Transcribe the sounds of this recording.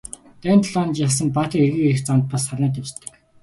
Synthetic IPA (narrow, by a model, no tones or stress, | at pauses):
t̪æːnt̪ʰɮaːnt͡ɕjaχs̬ə̆mpat̪ĭːŋeɣĭːŋeɘ̆xt͡samt̪̚pasaɾʲaːt̪ewt͡ɕt̪ɘ̆k